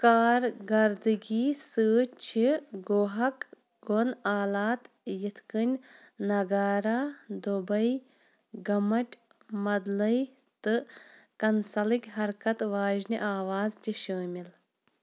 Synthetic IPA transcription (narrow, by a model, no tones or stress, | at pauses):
kaːɾɡɐɾd̪ɨɡʲiːsɨːt͡ʃʰiɡoːɦɐk | ɡonaːlaːt̪ | jit̪ʰkɨnʲ | nɐɡaːɾaːd̪obɐj | ɡɐmɐʈʲ | mɐd̪lɐj | t̪ɨkɐnsɐlikʲɦɐɾkɐt̪ʋaːʒniʔaːʋaːztiʃəːmʲil